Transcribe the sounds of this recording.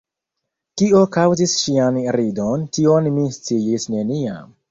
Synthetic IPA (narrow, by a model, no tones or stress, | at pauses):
kio̞kawzisʃianɾidontio̞nmist͡siisne̞nia̰m